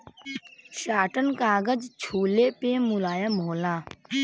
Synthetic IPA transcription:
ʃaːʈənkaːɡəd͡ʒt͡ʃʰuːleːpeːmʊlaːjamoːlaː

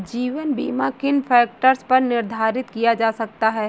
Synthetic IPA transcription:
d͡ʒiːʋənbḭːmakɪnfʰɛːk̚ʈəɾspɐɾnɪɾd̪ʱaːɾɪt̪kijad͡ʒaːsɐk̚t̪aɦɛː

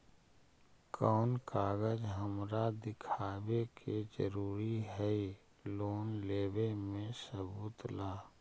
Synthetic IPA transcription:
kʰɔːnkaːɡəd͡ʒɦəmɾad̪ɪkʰaːbekʰed͡ʒəɾuːɾiɦɛi | loːnleːwemẽsəbuːt̪laː

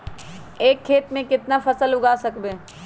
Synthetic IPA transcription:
eːkʰːeːt̪mẽkɪt̪nafʰɐsəlʊɡaːsɐkbeː

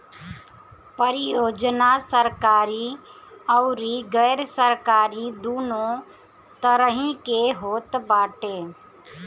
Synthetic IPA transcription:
pəɾɪjoːd͡ʒnasəɾkaːɾiɐʊɾiɡəːɾsəɾkaːɾid̪uːnõ | t̪əɾəɦĩkeɦoːt̪baːʈeː

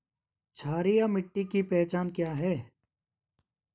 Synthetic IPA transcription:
t͡ʃʰaːɾijamɪʈːikipɛːt͡ʃaːnkjaːɦɛː

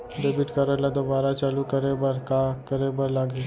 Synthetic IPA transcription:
ɖeːbɪʈkəɾəlad̪obaːɾat͡ʃaːlukəɾebəɾkakəɾebəɾlaːɡe

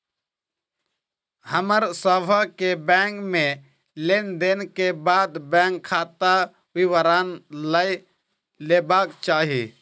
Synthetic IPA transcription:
həməɾsəbʰʱakebɛ̃ːŋkmẽ | leːnd̪eːnkebaːd̪bɛ̃ːŋkʰːaːt̪a | ʋiʋəɾaːnləi | leːbaːkt͡ʃaːɦiː

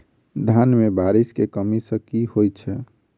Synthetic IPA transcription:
d̪ʱanmebaɾiskekəmisə̃kihot͡ʃʰɛ

